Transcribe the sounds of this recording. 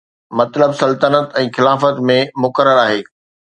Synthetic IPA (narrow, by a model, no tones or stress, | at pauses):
mɐt̪ləbsɐlt̪ənət̪ɛ̃ːxɪlaːfət̪mẽmʊkəɾəɾaːɦeː